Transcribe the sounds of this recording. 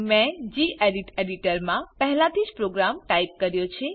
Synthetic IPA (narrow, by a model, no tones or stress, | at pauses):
mɛ̃d͡ʒiʔeɖiʈeɖiʈəɾmãpəɦɛlat̪ʰid͡ʒpɾoɡɾamʈajp̚kəɾjot͡ʃʰe